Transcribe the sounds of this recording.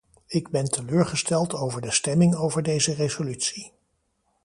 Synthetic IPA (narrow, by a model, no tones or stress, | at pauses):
ɪɡbɛntʰəløːɹχəstɛlˠtowvəɹdəstɛmɪŋowvəɹdejzərezolytsi